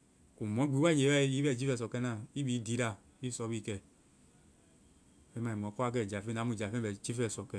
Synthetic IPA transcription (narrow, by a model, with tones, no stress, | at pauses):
ku˨mɔ̃˨˦ɡ͡bi˨˦a˦˨ɲe˨˦a˦ji˦fɛ˦˨d͡ʒi˦fɛ˦˨s̬ɔ˨kɛ˦nã˦˨i˦bi˨˦di˨˦ɾa˦˨ | i˦sɔ˨˦bi˦˨kɛ˨ | fɛ˦mã˨i˨mɔ̃˨˦kɔ˦a˦k̬ɛ˦˨d͡ʒa˨fe˦nã˨˦mũ˨d͡ʒa˨fɛ̃˦ɛ˨d͡ʒi˦fɛ˦˨sɔ˨kɛ˨